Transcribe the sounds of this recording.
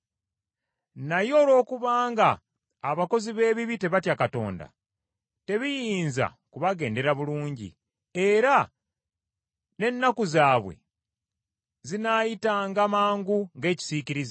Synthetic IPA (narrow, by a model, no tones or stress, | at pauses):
najo̞ːlo̞ːkuβaːŋɡaː | βako̞ziβe̞ːβiβite̞βatjakato̞̰ːnda̰ | te̞βijiːnza̰ | kuβaɡe̞ːnde̞ɾaβuluːɲɟḭ | e̞ɾa | ne̞nːakuzaːβwe̞̰ | zinaːjitaːŋɡamaːŋɡuŋɡe̞ːci̥siciɾiz